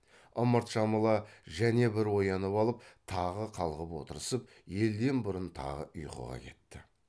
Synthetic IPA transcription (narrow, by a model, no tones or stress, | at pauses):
ʊməɾt̪ʃɑməlˠɑʒæne̞bɪɾwo̞jɑnəpɑlˠəp̚t̪ʰɑʁəqʰɑlˠʁəpwo̞̰t̪əɾəsəp̚ | je̞ld̪e̞nbʊɾənt̪ʰɑ̰ʁə̰ʔʊjqə̰ʁɑ̰kʲʰe̞t̪ːɪ